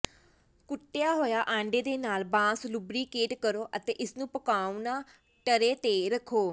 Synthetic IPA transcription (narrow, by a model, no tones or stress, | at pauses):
kʊʈːejaːɦoːjaːʔãːɳɖeːd̪eːnaːlbãːslʊbɾiːkeːʈkəɾoːʔət̪eːʔɪsnũːpəkaːunaː | ʈəɾeːt̪eːɾəkʰoː